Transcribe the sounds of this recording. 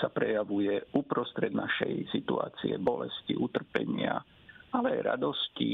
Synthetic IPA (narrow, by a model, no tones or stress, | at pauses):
sapɾɛjaʋujɛupɾɔst̪ɾɛd̪naʃɛjsit̪ua̰ːt͡siɛbɔlɛsciʔut̪r̩pɛɲɪa | alɛajɾa̰d̪ɔsci